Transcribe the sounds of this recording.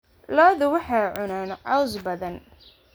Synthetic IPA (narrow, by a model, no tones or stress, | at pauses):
lɔːðʊwɑħɑjʕʊnaːnʕɑwsbɐðɐn